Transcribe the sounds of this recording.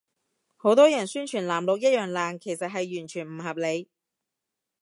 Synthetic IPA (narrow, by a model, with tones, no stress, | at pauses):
ho˨˧˥wt̪ɔː˥jɐ˨˩nsyː˥nt͡ʃʰyː˨˩nlaː˨˩mlo˨˧k̚jɐ˥jœː˨ŋlaː˨ŋkʰe˨˩jsɐ˨t̚ɦɐ˨jːyː˨˩nt͡ʃʰyː˨˩nm̩˨˩hɐ˨p̚le˨˧j